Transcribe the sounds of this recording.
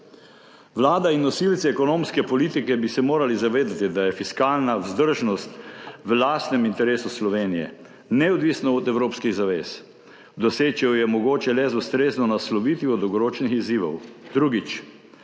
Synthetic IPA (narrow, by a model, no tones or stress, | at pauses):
ʋlaːd̪ainːɔsilt̪siɛkɔnoːmskɛpɔliːt̪ikɛbisɛmoːɾalizaʋeːd̪at̪id̪ajɛfiskaːlnawzd̪əɾʒnɔst̪ʋəlaːst̪nɛmint̪ɛɾeːsuslɔʋeːnijɛ̰ | nɛɔd̪ʋisnɔːd̪ɛwɾoːpskiɣzaʋeːs | d̪ɔseːt͡ʃɛwjɛmɔɡoːt͡ʃɛlɛzust̪ɾeːznɔnaslɔʋiːt̪iɔd̪ɔwɡɔɾoːt͡ʃnixiziːʋɔ̰wd̪ɾuɡit͡ʃ